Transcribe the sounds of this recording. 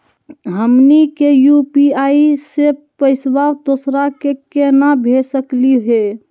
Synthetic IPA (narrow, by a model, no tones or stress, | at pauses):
ɦəmnikejupiaisepəɪsbawd̪oːsɾakekenabʱesəkliɦe